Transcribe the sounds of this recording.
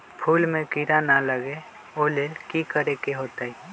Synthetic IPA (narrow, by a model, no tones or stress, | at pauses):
pʰuːlmẽkiɾanaləɡe | oːleːlkikəɾekeɦoːt̪aɦi